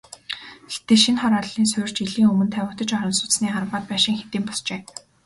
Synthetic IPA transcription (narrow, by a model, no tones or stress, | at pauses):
t̪eʃinχɔɾaɮiːnsʊ̟jr̥t͡ɕiɮiːŋɵmɵ̆nt̪ʰæwʲɪ̆kt̪ə̆t͡ɕɔɾɞ̆nsʊ̥t͡ssniːarmaːt̪̚pæːʃɪ̆ŋxet̪iːmpɔst͡ɕeː